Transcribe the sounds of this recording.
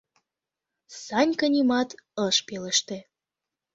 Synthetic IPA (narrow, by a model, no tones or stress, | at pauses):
sɑnʲkə̆nʲimɑt̪ɤʃpeləʃt̪ĕ